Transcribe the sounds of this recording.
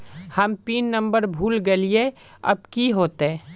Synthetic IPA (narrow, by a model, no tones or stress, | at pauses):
hɐmpiːnːɐ̃mbəɾbʱuːlɡɐlie | ɐ̰b̚kiɦoːt̪ɛ̃ː